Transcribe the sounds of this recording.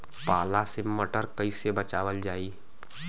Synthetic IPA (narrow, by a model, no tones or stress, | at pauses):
paːlaseməʈəɾkəisebət͡ʃaːʋəld͡ʒaːiː